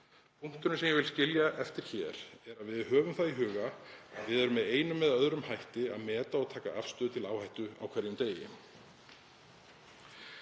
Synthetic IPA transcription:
pʰuŋ̥t̪ʏnʏsɛmjɛɣvɪlscɪljaʔɛft̪ɪɾ̥çɛːɾɛɾaðvɪðhœːvʏmθaðiɦʏːɣaa̰ðvɪðɛɾʏmɛðeːjnʏmːɛðaœðɾʏmhajht̪ɪa̰ðmɛːt̪aɔɣt̪ʰaːka̰afst̪ʏːðʏt̪ʰɪlaːwhajht̪ʏa̰wkʰvɛɾjʏmt̪eːjɪ̰

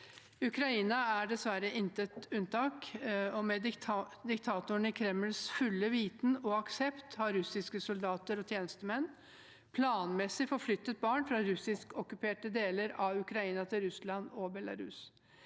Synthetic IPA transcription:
ʉkɾɑiːnɑæɖɛsʋæɾəʔɪnt̪ət̪ʉnt̪ʰɑːkɔmɛd̪ɪkt̪ʰɑːt̪ʊɳɪkʰɾɛmːəlsfʉlːəʋiːt̪n̩ɔɑksɛpt̪hɑɾɾʉsɪskəsʊld̪ɑːt̪əɾɔt̪ʰjeːnəst̪əmɛnː | pʰlɑːnmɛsɪfɔɾflʏt̪ːət̪̚bɑːɳfɾɑɾʉsɪskɔkʉpʰeːʈəd̪eːləɾɑʉkɾɑiːnɑt̪ʰɪlɾʉslɑnɔbɛlɑ̰ɾʉ̰s

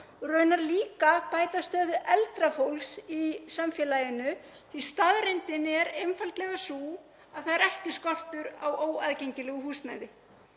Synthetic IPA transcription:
rœːɥnaɾliːkapaːjt̪ast̪œːðʏʔɛlt̪ɾafowlsisamfjɛlaːjʏnʏ | θist̪aðɾejnt̪ɪnɛɾemfalt̪lɛɣasuː | aðθaðɛɾɛhcɪskɔr̥t̪ʏɾawoːwaðcejɲcɪlɛɣʏhuːst̪na̰jðɪ

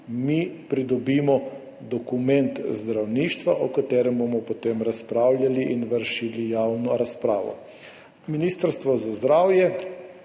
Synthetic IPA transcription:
mipɾid̪ɔbimɔ | d̪ɔkumɛnt̪zd̪ɾawniːʃt̪ʋaʔɔkat̪ɛːɾɛmbomɔpɔt̪emɾaspɾaːwlʲjaliʔinʋəɾʃilijawnɔɾaspɾaːʋɔ̰ | miniːst̪əɾst̪ʋɔzazd̪ɾaːwjɛ

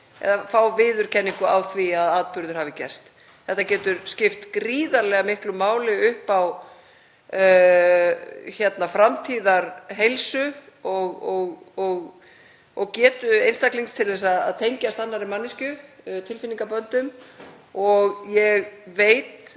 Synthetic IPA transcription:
ɛ̰ðafawvɪːðʏɾ̥cʰɛnːiŋkʏawθviaðaːt̪̚pʏɾðʏɾ̥haːvɪcɛ̰r̥st̪ | θɛht̪ːacɛːt̪ʏɾscɪft̪kɾiːðaɾlɛɣamɪhklʏmːaːwlɪʏhpaw | çɛt̪nafɾamt̪ʰiːðaɾɦejlsʏ | ɔɣɔɣɔɣ | ɔɣcɛːt̪ʏejnst̪akliŋst̪ʰɪlðɛs̬aða̰ðt̪ʰejɲcast̪anːaɾɪmanːiscʏt̪ʰɪlfɪniŋkapœnt̪ʏm | ɔɣjɛɣveːjt̪

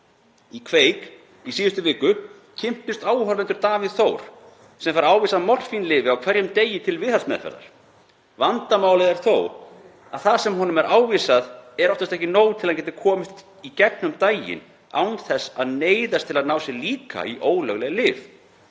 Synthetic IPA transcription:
ikʰveːjk | isiːðʏst̪ʏvɪːkʏ | cʰɪm̥t̪ʏst̪aːwɦœɾvɛnt̪ʏɾt̪aːviðθowɾ̥ | sɛmfaɾaːwviːsaðmɔr̥finlɪːvɪawkʰvɛɾjʏmt̪eːjɪt̪ʰɪlvɪðθasmɛ̰ðfɛ̰ɾða̰ɾ̥ | vant̪amaːwlɪðɛɾ̥θoːw | aðθasɛmɦɔnʏmɛɾʔaːwvisaðɛɾɔft̪ast̪ɛhcɪnoːwt̪ʰɪlacɛːt̪ɪkʰɔːmɪst̪ | icɛknʏmt̪aːjɪ̰n | a̰wnθɛsaðneːjðast̪ʰɪlaðnaːwsjɛliːka̰iʔoːwlœ̰ɣlɛɣlɪːv

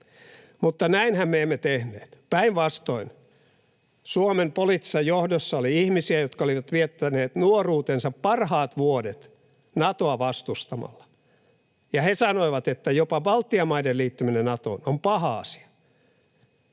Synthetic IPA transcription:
mut̪ːɑnæinhæmmeemːet̪ehnḛːt̪pæiʋʋɑst̪oin | suomempolit̪ːi̥sːɑjjohdosːɑoliihmisiæjot̪kɑoliʋɑt̪ʋiet̪ːæneːt̪nuoruːt̪ensɑppɑrhɑːt̪ʋuodet̪ | nɑt̪oɑʋɑst̪ust̪ɑmɑ̰lːɑ̥ | jɑhesɑnoiʋɑt̪et̪ːæjopɑʋɑlt̪ːiɑmɑideliːt̪ːyminenɑt̪o̰inompɑhɑɑ̰si̥ɑ̥

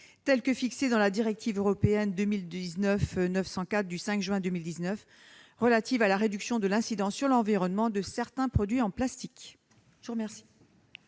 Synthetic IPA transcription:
t̪ɛlkəfiksed̪ɑ̃lad̪iʁɛk̚t̪ʰivøʁɔpeɛnd̪ømild̪iznœfnœfsɑ̃kat̪χd̪ysɛ̃kʒɥɛ̃d̪əmild̪iznœf | ʁəlat̪ivalaʁed̪yksjɔ̃d̪əlɛ̃sid̪ɑ̃syʁlɑ̃viʁɔnmɑ̃d̪əsɛʁt̪ɛ̃pχɔd̪ɥiɑ̃plast̪ik | ʒuʁmɛʁsi̥

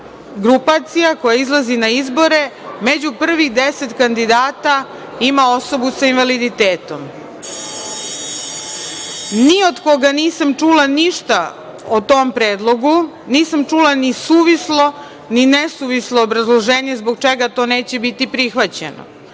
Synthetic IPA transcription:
ɡɾupat̪sijako̞jaizlˠazinaizbo̞ɾe̞me̞d͡ʑupr̩ʋid̪ese̞t̪kand̪id̪aːt̪a | imao̞so̞busainʋalid̪it̪eːt̪o̞m | nio̞d̪ko̞ɡaniːsamt͡ʂuːlaniʃt̪a | ot̪oːmpɾeːd̪lˠo̞ɡu | niːsamt͡ʃuːlanisuːʋislo̞ | ninesuʋisloːbɾazlˠoʒeːɲe̞zbo̞ɡ̚t͡ʃeɡat̪o̞ːneːt͡ɕebit̪ipɾixʋat͡ɕḛno̰

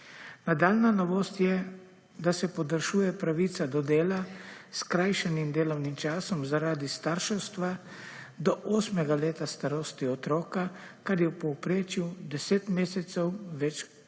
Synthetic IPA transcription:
nad̪aːlnanɔʋoːst̪jɛ | d̪asɛpɔd̪əɾʃuːjɛpɾaʋiːt̪sad̪ɔd̪eːlaskɾaːjʃɛnimd̪eːlɔwnimt͡ʃaːsɔmzaɾaːd̪ist̪aɾʃɔst̪ʋa | d̪ɔʔoːsmɛɡaleːt̪ast̪aɾoːst̪iɔt̪ɾɔːka | kaɾjɛwpɔwpɾeːt͡ʃjud̪ɛseːt̪meːsɛt̪sɛwʋɛt͡ʃ

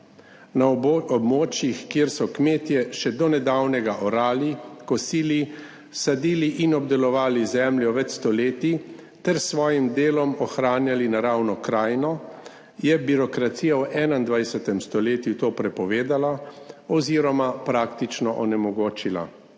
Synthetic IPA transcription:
naɔbmoːt͡ʃjixkjeːɾsɔkmeːt̪jɛʃɛd̪ɔnɛd̪awnɛɡaʔɔɾaːlikɔsiːli | sad̪iːliʔinɔb̚d̪ɛlɔʋaːlizɛːmljɔʋɛt̪st̪ɔleːt̪i | t̪ɛɾsʋɔːjimd̪eːlɔmɔxɾaːnjalinaɾaːwnɔkɾaːjnɔ | jɛbiɾɔkɾat̪siːjawʔɛːnand̪ʋajsɛt̪ɛmst̪ɔleːt̪jut̪oːpɾɛpɔʋeːd̪alaɔziːɾɔmapɾaːkt̪it͡ʃnɔʔɔnɛmɔɡoːt͡ʃila̰

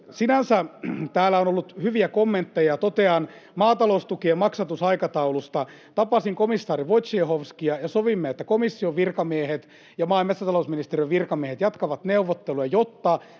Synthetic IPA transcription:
sinænsæt̪æːlːæonolːut̪hyʋiækomːent̪ːejɑt̪ot̪eɑn | mɑːt̪ɑloust̪ukiemɑksɑt̪usɑikɑt̪ɑulust̪ɑ | t̪ɑpɑsiŋkomisːɑːɾiʋot̪sehoʋskiɑjɑsoʋimːeet̪ːækomisːioʋʋirkɑmiehet̪ | jɑmɑːmetsɑt̪ɑlousminist̪erijøʋʋirkɑmiehet̪jɑt̪kɑʋɑt̪neuʋːot̪ːeluɑjot̪ːɑ

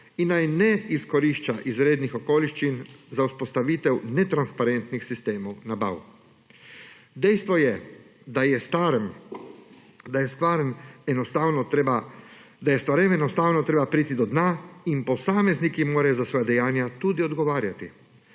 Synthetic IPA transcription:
inːajnɛiskɔɾiʃt͡ʃaʔizɾeːd̪nixɔkoːliʃt͡ʃinzauspɔst̪aʋiːt̪ɛwnɛt̪ɾanspaɾent̪nixsist̪eːmɔwnaba̰w | d̪ɛjst̪ʋɔjɛ | d̪ajɛst̪aɾm | d̪ajɛst̪ʋaːɾəmɛnɔst̪awnɔba | d̪ajɛst̪ʋaɾɛmɛnɔst̪aːwnɔt̪ɾeːbapɾiːt̪id̪ɔd̪naːinpɔsaːmɛznikimoːɾajɔzasʋɔːjad̪ɛjaːnjat̪ud̪iɔd̪ɡɔʋaːɾjat̪i

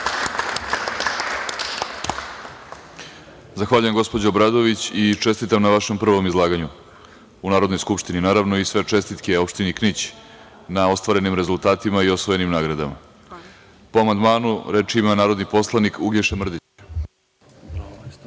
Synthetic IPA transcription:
zaxʋaːʎuje̞mɡo̞spo̞d͡ʑabɾad̪o̞ʋit͡ɕit͡ʂe̞st̪it̪amnaʋaʃe̞mpr̩ʋo̞mizlˠaːɡaɲu | unaːɾod̪nojskupʂt̪ininaːɾaʋno̞isʋe̞t͡ʂe̞st̪it̪keo̞pʃt̪iniknit͡ɕ | nao̞st̪ʋaɾe̞nimɾe̞zult̪aːt̪imaio̞sʋoje̞nimnaːɡɾad̪a̰ma̰ | poamand̪maːnuɾe̞t͡ʃimanaːɾo̞d̪nipo̞slˠanikʰuɡʎeʃemr̩d̪it͡ɕ

